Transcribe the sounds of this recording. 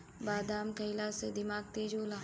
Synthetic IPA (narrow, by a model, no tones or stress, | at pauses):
baːd̪aːmkɐɪlased̪ɪmaːɡ̚t̪eːd͡ʒoːlaː